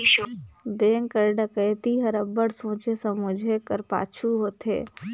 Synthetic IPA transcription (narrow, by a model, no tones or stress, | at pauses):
beːŋkəɾɖɐkəːt̪iɦəɾəbəɽsõːt͡ʃesɐmʊd͡ʒʱekəɾpa̰ːt͡ʃʰuɦoːt̪ɦḛː